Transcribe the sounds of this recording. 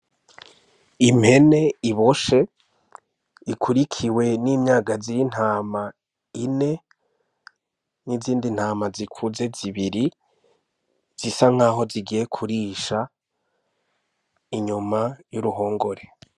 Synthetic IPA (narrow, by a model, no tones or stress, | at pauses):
imhe̞ne̞iβo̞ʃe̞ | ikʰuɾikʰiwe̞niːmɲaːɡaziɾin̥haːma | ine̞ | niziːndin̥haːmazikʰuze̞ziβiɾi | z̥isaŋ̥aːɦo̞ziɡije̞kʰuɾiʃa | iɲumajuɾuɦo̞ːŋɡo̞ɾe